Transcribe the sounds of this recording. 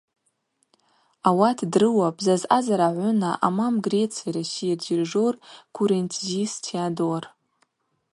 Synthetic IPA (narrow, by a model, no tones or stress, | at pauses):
awatʰdrɨwapʼzazʔazaɾaʕʷʊnaʔa̰mamɡret͡sʰaɾasird͡ʒirʐorkʰuɾent͡sʰzistʰiadowar